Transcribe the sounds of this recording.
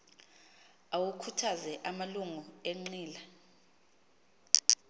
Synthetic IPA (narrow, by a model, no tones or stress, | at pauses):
awukʰutʰazɛʔamaluŋueŋ͡ǀiːla